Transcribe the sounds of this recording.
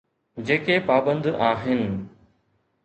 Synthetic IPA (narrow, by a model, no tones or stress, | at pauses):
d͡ʑeːkepaːbə̃nd̪aːɦɪnɪ̆